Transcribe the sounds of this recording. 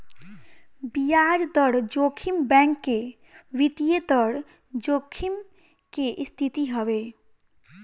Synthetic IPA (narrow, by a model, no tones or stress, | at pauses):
bijad͡ʒd̪ɔɽd͡ʒokʰimbɛ̃ŋkːe | ʋit̪ijet̪ɔɽ | d͡ʒoːkʰim | keʔst̪ʰit̪iɦɔʋe